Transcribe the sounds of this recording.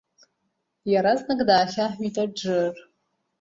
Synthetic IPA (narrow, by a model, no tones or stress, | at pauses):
jɛɾɐznɨɡdaːɕaːħʷiːtʰʼɐd͡ʒɨr